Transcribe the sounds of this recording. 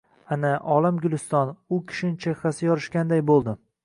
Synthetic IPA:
anaʔɒlamɡʲʊlˠɪst̪ɒnʊkʲʰɪ̥ʃɪnɪt͡ʃʰeχasɪjɒɾɪʃkʲand̪ajbolˠd̪ɪ

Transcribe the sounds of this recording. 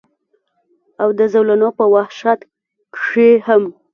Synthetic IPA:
awd̪əzawlanopəwahʃat̪ | kʂeham

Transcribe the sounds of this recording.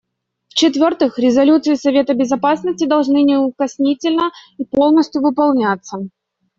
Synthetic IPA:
ft͡ɕɪt̪vʲort̪ɨxɾʲɪzɐlʲut̪sɨɪsɐvʲe̞t̪əbʲɪzɐpasnəsʲtʲɪd̪ɐlˠʐnɨnʲɪʊkɐsʲnʲitʲɪlʲnəipo̞lˠnəsʲt̪ʲjʊvɨpɐlˠnʲat̪sːə

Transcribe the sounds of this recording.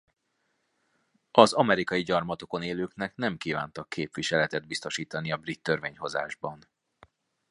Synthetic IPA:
ɒzɒmɛɾikɒjiɟɒrmɒt̪o̞ko̞neːløːknɛknɛmkiːva̰ːnt̪ɒkʰːeːpʋiʃɛlɛt̪ɛd̪̚bist̪o̞ʃiːt̪ɒniɒbrit̪ːørveːɲho̞za̰ːʒbɒn

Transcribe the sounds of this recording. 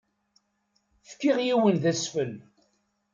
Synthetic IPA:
fkːiʁjiwənðæsfəl

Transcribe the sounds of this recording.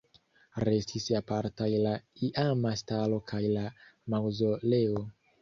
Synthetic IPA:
ɾe̞stisapaɾtajlaiʔamastalo̞kʰajlamawzo̞le̞o

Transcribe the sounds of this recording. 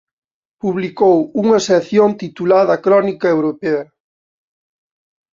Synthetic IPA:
puβlikowuŋɐseθjont̪it̪ulaðɐkɾɔnikɐewɾopeɐ

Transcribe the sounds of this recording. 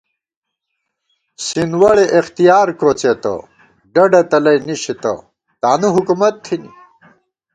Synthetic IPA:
sinwɐɭeʔext̪ijaːɾkot͡set̪ɐ̰ | ɖɐɖɐt̪ɐlɐjniɕit̪ɐ̰ | t̪aːnuɦukumɐt̪ʰːinḭ

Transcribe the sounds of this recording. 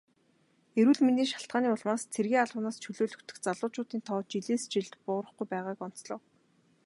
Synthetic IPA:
eɾwŭːɮminiːʃḁɬt̪ɢ̥aːniːʊɮmaːst͡sʰerɣiːŋaɮʊːnaːst͡ɕʰɵɮoːɮɵ̆kt̪ʰɵ̆xt͡saɮʊːt͡ɕʊːt̪iːnt̪ʰɔːt͡ɕiɮeːst͡ɕiɮt̪pʊːɾə̆χɡujpæːʁaːkɔn̥t͡sɮɞ̆ːw

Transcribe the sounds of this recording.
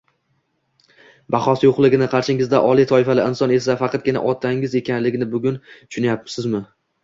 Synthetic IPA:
bɑχɒsɪjoqlˠɪɡʲɪnɪqʰɑɾʃɪŋɪzd̪aʔɒlˠijt̪ʰɒɪfalɪɪnsɒne̞safɑqʰɑt̪̚ɡʲɪna̰ʔɒt̪ʰaɪŋɪze̞kʲʰanlɪɡʲɪnɪbʊɡʲʊnt̪ʰʊ̥ʃʊnajapːsɪzmɪ

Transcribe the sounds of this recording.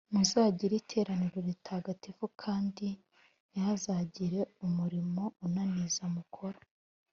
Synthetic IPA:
muzaːɟiɾitʰe̞ːɾaniɾoβitʰaːɡativukʰaːndi | jazaːɟiɾe̞umuɾimo̞unanizamukʰo̞ɾo

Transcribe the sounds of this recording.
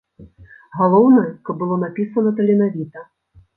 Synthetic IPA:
ɣalˠɔwnɐjɐkɐbbɨlˠɔnapʲisɐnɐt̪ɐlʲɛnavʲit̪ɐ

